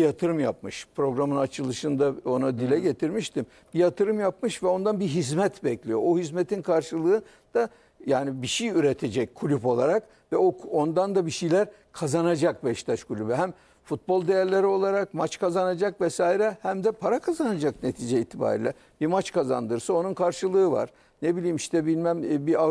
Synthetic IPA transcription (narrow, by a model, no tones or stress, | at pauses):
jat̪ʰɯɾɯmja̰p̚mɯʃpɾo̞ɡɾamɯnat͡ʃʰɯlˠɯʃɯnd̪ao̞nad̪ilʲɛɟe̞t̪ʰiɾmiʃt̪ʰim | bijat̪ʰɯɾɯmjapmɯʃvɛo̞nd̪anbiɦizmɛt̪bɛclʲijoʔohizmet̪ʰinkʰaɾʃɯlˠɯɯ | d̪̥a | jaːnibiʃijyɾet̪ʰe̞d͡ʒɛc̚kʰulʲypo̞lˠaɾak | vɛoo̞nd̪and̪abiʃijlʲæɾ | kʰazanad͡ʒakbɛʃt̪ʰat͡ʃkʰulʲybyɦæm | fut̪̚bo̞lˠd̪ejæɾlʲe̞ɾio̞lˠaɾakmat͡ʃkʰazanad͡ʒakvɛsaːiɾɛhæmd̪ɛpʰaɾakʰazanad͡ʒakne̞t̪ʰiːd͡ʒɛiːt̪ʰːiba̰ːɾḭːlʲɛ̰ | bimat͡ʃkʰaza̰nd̪ɯɾsao̞nunkʰaɾʃɯlˠɯːɯva̰ɾ̥ | nebilʲiːmiʃt̪ɛbilʲmæmbia